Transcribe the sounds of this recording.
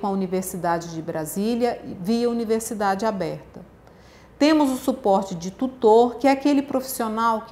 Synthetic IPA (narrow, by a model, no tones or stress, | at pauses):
ɐuniveɾsid̪ad͡ʒɪd͡ʒɪbɾʔaziljɐviɐuniveɾsid̪ad͡ʒɪabɛɾt̪ɐ | t̪ẽmʊzʊsupɔɾt͡ʃɪd͡ʒɪt̪ut̪oɾkɪɛakelɪpɾofi̥sionawk